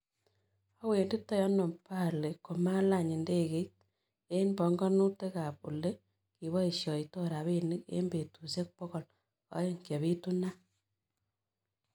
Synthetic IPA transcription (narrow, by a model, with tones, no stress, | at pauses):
a˦we˨ndi˦tːɔ˦jɔ˦nɔ˨mpa˦˨le˨ko˨ma˦la˦˨ɲi˨nde˦ke˦t̚ | e˦nbɔ˨ŋɡɔ˦nu˦te˦ka˨pṵ˨le˦ | ki˨βɔ˦i˨ʃjɔ˨i˨to˦ɾa˨βe˦ni˦kḛ˦mbe˨tu˨se˦k̚pɔ˦kɔ˨l | ɔ̰˦je˦ŋkja˨βi˦tu˦na˦